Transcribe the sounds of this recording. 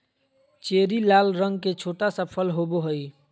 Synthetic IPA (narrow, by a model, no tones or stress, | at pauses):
t͡ʃeːɾilaːlɾə̃ŋɡ̚ket͡ʃʰoːʈasəpʰəlɦoboɦəj